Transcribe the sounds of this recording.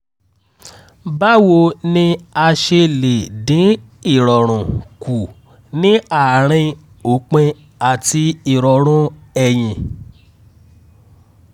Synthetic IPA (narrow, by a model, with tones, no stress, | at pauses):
ba˦wo˧nĩ˧a˧ʃe˧le˨dĩ˨˦ | i˦˨ɾɔ˨ɾ̃ũ˨ku˨ | nĩ˦a˦˨ɾ̃ĩ˧ | o˨˦k͡pẽ˧ | a˨ti˧i˨ɾɔ˨ɾ̃ũ˦ɛ˧j̃ĩ˧